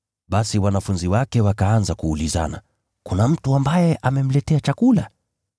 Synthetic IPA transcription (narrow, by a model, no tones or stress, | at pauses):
ɓasiwanafunziwakɛwakaanzakuːliza̰na̰ | kunam̩tuambajɛʔamɛm̩lɛtɛat͡ʃakula̰